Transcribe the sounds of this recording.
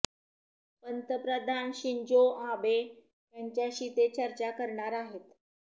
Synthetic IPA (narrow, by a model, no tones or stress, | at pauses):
pənt̪əpɾəd̪ʱanɕiɲd͡ʑoabe | pjəɲt͡ɕjaɕiːt̪et͡ɕəɾt͡ɕakəɾɳaɾaɦet̪